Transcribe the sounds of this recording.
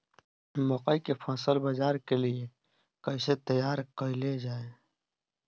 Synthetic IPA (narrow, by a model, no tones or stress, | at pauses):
mɔqəikepʰaːsəlbəd͡ʒaːɾkelie | kəɪset̪əjaːɾkəɪled͡ʒaːe